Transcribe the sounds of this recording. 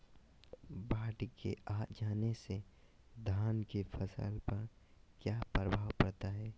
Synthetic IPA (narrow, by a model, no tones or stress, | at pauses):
bʱaːʈkḛaːd͡ʒaːnese | d̪ʱaːnkefʰɐsə̰lpɐɾ | kjaːpɾəbʱaːwpɐɽt̪aɦɛː